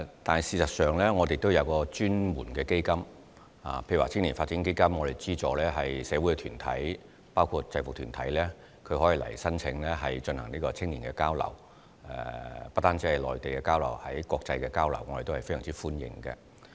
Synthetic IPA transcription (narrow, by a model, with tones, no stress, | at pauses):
t̪aː˨n˨˩siː˨˧sɐ˨t̚sœː˨˩ŋlɛː˥ŋɔː˨˧t̪e˨jt̪o˥wjɐ˨˧wkɔː˧t͡ʃyː˥nwuː˨˩nkɛː˧ke˥jkɐ˥m | a̰ː˨pʰe˧jaː˨t͡sʰɪ˥ŋniː˨˩nfaː˧t͡siː˨˥nke˥jkɐ˥mŋɔː˨˧ɾe˨˩jt͡siː˥t͡sɔː˨˧lɛː˥ɦɐ˨jsɛː˨˧wu˨˥jkɛ˧t̪ʰyː˨˩nt̪ʰɐ̰˨˥j | paː˥wkʰu˧t̚t͡sɐ˧jfʊ˨k̚t̪ʰyː˨˩nt̪ʰɐ˨˥jlɛː˥ | kʰɵ˧ɥhɔː˨˥ji˨˧lɐ̰˨˩jsɐ˥nt͡sʰɪ˨˧ŋlɛː˥ɦɐ˨jt͡ʃɵ˧nhɐ˨˩ŋniː˥kɔː˧t͡sʰɪ˥ŋniː˨˩nkɛː˧kaː˥wlɐ̰˨˩w | ɛ˨pɐ˥t̪ːaː˥nt͡siː˥ɐ˨˩jlɔː˨˩jt̪e˨jkɛː˧kaː˥wlɐ̰˨˩whɐ˨˥jkɔː˧k̚t͡sɐ˧jkɛː˧kaː˥wlɐ˨˩wŋɔ˨˧e˨t̪o˥hɐ˨jfe˥jœ̰ː˨ŋ˩t͡siː˥fuː˥njɪ̰˨ŋkɛ̰˧